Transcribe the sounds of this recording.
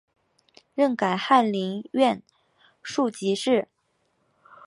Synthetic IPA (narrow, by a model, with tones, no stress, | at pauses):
ɻə˥˩nka˨˩ɪxa˥˩nli˧˥ŋɥɛ˥˧n | ʂu˥˩t͡ɕi˧˥ʂɻ̩˥˩